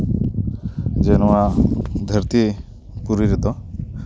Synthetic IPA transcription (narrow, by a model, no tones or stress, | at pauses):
d͡ʒenɔad̪ʱəɾt̪i | puɾiɾɛd̪ɔ